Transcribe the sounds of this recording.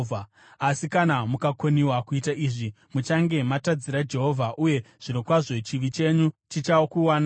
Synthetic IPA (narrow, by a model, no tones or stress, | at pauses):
a | asikanamukakoniwakuitaʔiʐi | mut͡ʃaŋɡe̞matad͡ziɾad͡ʒe̞ɦo̞vʱaʔuje̞ | ʐ̥ino̞kwaʐo̞t͡ʃiʋit͡ʃe̞ɲut͡ʃit͡ʃaokuwaːn